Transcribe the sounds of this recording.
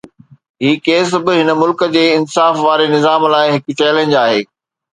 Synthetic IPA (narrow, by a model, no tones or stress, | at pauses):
ɦiːkeːs̬bɪɦɪnəmʊlkə̆d͡ʑeːɪnsaːfʋaːɾenɪzaːmlaːɪɦɪkʊt͡ɕɛːlẽːnd͡ʑaːɦeː